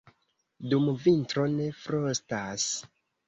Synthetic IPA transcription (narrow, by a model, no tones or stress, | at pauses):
dumvintɾo̞ne̞fɾostas